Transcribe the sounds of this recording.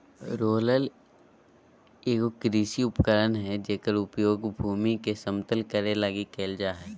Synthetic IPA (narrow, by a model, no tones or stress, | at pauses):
ɾoːləl | eːkkɾiːsiʊpkəɾənɦɛd͡ʒeːkəɾʊpjoːɡbʱuːmikesəmt̪əlkəɾelaɡikeːld͡ʒaːɦɛː